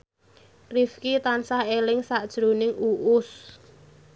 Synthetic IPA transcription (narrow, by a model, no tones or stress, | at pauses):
rifkit̪ansahelɪŋsaʔd̥ʒ̥ɾonɪŋuʔʊs